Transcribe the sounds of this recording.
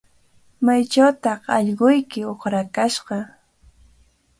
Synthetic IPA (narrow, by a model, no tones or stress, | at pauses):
majt͡ʃawt̪ɑχɑʎɢʊjkɪoχɾakaʃɢɑ